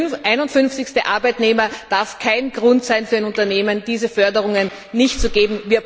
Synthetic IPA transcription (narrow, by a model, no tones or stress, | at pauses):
ʔaɪnʊntfʏnft͡sɪçstəʔa̰ɐbæɪtneːmɐd̥aɐfkʰaɪnɡ̥ʁʊ̃ntsaɪnfyːɐɪnʊ̃ntɐneːmənd̥iːzəfœɐdəʁʊŋənː | ɪçtt͡suɡeːbm̩viːɐ